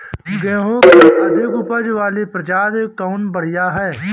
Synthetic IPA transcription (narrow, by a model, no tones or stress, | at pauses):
ɡẽːɦõkeɐd̪eɡʊpəd͡ʒʋaːlepɾɐd͡ʒaːd̪ekɔːʊnbəɽ̤ijaɦɛː